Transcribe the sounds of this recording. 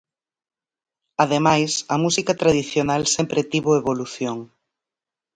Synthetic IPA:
aðemajsɐmusikat̪ɾaðiθjonalsempɾet̪iβoeβoluθjoŋ

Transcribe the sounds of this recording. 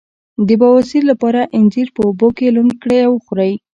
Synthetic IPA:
d̪əbɑwasiɾlapɑɾaʔɪnd͡ʒiɾpəobokelun̚kɽeawxuɾaj

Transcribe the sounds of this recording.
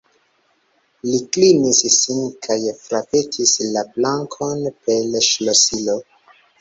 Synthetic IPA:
liklinissinkʰajfɾavetʰislablaŋkʰonpelʃlosilo

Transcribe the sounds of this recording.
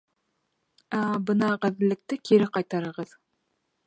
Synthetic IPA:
æbɤnɑʁæðɘ̆lːɘ̆k̚t̪ɘkiɾɘqɑjt̪ɑɾɤ̆ʁɤð

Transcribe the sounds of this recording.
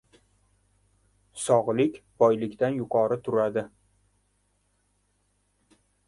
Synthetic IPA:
sɒʁlˠɪkʲb̥ɒjlɪkʲd̪anjʊqʰɒɾɪt̪ʰʊɾad̪ɪ

